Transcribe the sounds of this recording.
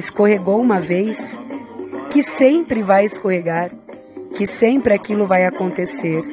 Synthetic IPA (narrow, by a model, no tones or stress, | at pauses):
ɪskoheɡowũmɐvejs | kɪsẽpɾɪvajeskoheɡaɾ | kɪsẽpɾɪakilʊvajakõnt̪eseɾ